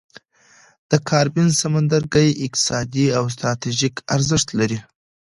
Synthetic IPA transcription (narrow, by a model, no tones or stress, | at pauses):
d̪̥əkʰɑɾbinsamand̪aɾɡajɪk̚t̪ɪ̥sɑd̪iaws̬t̪ɾɑt̪iʒikʰaɾzəʃt̪laɾi